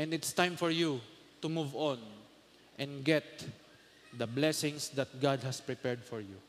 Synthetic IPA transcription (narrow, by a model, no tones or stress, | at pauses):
ʔɛ̃nd̪ɪt̪st̪ãjmfɔɹju | t̪ʊmuvɔ̃n | ʔɛ̃nɡɛt̪̚ | d̪ɐblɛsɪ̃ŋsd̪ɐt̪̚ɡad̪̚hɐspɹɪpɛɹd̪fɔɹju